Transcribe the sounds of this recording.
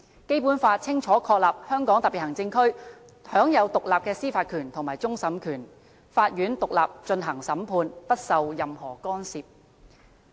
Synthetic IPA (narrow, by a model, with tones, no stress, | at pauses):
ke˥jpuː˨˥nfaː˧t̚t͡sʰɪ˥ŋt͡ʃʰɔː˨˥kʰɔː˧k̚laː˨˩p̚hœː˥ŋkɔː˨˥ŋt̪ɐ˨pi˨˩hɐ˨˩ŋt͡sɪ˧ŋkʰɵ˥ɥ | hœː˨˥ŋjɐ˨˧wt̪ʊ˨k̚laː˨p̚kɛː˧siː˥faː˧t̚kʰyː˨˩nt̪ʰʊ˨˩ŋmaː˨jt͡sʊ˥ŋsɐ˨˥mkʰyː˨˩n | faː˧t̚jyː˨˥nt̪ʊ˨k̚la̰ː˨p̚t͡ʃɵ˧nɦɐ˨˩ŋsɐ˨˥mpʰuː˧npɐ˥t̚sɐ˨wjɐ˨mhɔː˨˩kɔː˥nsiː˨p̚